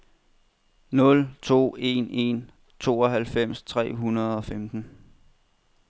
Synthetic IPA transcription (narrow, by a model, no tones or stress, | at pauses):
nɔ̽lt͡sʰo̝̰ːe̝ne̝n | t͡sʰo̝̰ːɒ̽ɦælfem̰st͡sʰʁɛ̰ːɦunɐð̩ˠɒ̽femd̥n̩